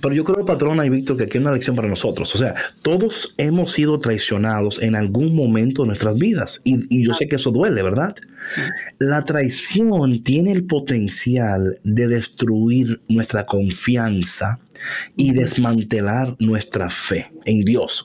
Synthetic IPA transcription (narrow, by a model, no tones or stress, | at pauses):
pe̞ɾoʝo̞kɾeopat̪ɾo̞naiβik̚t̪o̞ɾkeakiesunaleksjo̞mpaɾanoso̞t̪ɾo̞sose̞at̪o̞ðo̞se̞mo̞sːiðot̪ɾajsjo̞nað̞o̞se̞nalɡuŋmõ̞mẽnt̪o̞ðenwest̪ɾazbiðasiiʝo̞se̞keeso̞ðwe̞le̞βe̞ɾðað | lat̪ɾajsjo̞nt̪je̞ne̞ːlpo̞t̪e̞nsjald̪e̞ðe̞st̪ɾuiɾnwe̞st̪ɾako̞ɱfjansa | iðe̞zmãnt̪e̞laɾnwe̞st̪ɾafe̞end̪jo̞s